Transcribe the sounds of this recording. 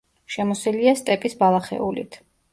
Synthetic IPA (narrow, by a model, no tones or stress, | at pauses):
ʃɛmɔsiliast̪ʼɛpʼisbalˠaχɛ̰ulḭt̪ʰ